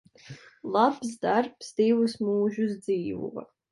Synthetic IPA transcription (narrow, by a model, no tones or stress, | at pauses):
lˠabsd̪arpsd̪ivusmuːʒusd̪ziːvṵvɐ̰